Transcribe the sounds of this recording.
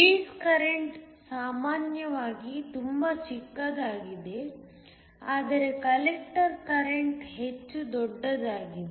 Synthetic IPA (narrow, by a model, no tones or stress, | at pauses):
iːskɐɾeɳʈ | saːmaːnjɐʋaːɡit̪umbɐt͡ʃikːɐd̪aːɡid̪e̞ | aːd̪ɐɾe̞kɐlek̚ʈɐɾkɐɾeɳʈɦet͡ʃːud̪ɔɖːɐd̪aːɡid̪e